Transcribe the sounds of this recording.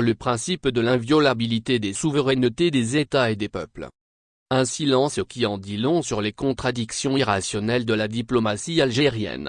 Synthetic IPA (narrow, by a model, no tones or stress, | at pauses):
ləpχɛ̃sipd̪əlɛ̃vjɔlabilit̪ed̪esuvəʁɛnt̪ed̪ezet̪aed̪epœ̰pl | ɛ̃silɑ̃skʲiɑ̃d̪ilɔ̃syʁlekɔ̃t̪χad̪iksjɔ̃iʁasjɔnɛld̪əlad̪iplɔmasialʒeʁjɛ̰n